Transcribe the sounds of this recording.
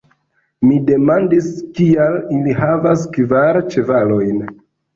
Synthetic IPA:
mide̞mandiskialiliɦavaskvaɾt͡ʃe̞valo̞jn

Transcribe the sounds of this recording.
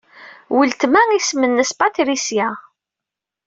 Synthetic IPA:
wəlt̪mæŋismənːəspat̪ɾisjæ

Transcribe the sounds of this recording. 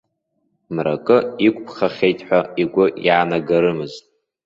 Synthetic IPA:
mra̰kʼɨikʷʼpʰχaχʲe̞jtʼħʷᶣaiɡʷʊjaːnaɡaɾɨmɨztʼ

